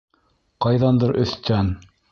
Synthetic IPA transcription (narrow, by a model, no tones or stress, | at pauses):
qɑjðɑnd̪ɤɾʔɵ̆θt̪æn